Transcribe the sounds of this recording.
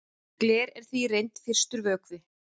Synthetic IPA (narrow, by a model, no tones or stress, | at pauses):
klɛːɾɛɾ̥θvirejnt̪fɪr̥st̪ʏɾvœːkvɪ